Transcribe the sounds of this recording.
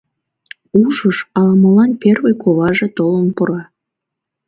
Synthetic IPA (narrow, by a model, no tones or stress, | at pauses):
uʒəʃɑlməlɑnperβəjkʰoβɑʒet̪olənpəɾɑ